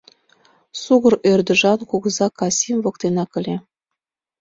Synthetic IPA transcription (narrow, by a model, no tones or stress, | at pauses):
suɣɤ̆ɾørd̪ə̆ʒɑnkuɣɤzɑkɑsʲimvɤ̆kt̪enɑkə̆lʲe